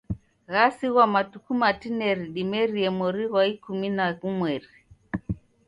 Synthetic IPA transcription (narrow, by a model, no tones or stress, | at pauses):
ɣasiɣwamatukumatinɛɾiɗimɛɾiɛmɔɾiɣwaikuminaɣumwɛɾi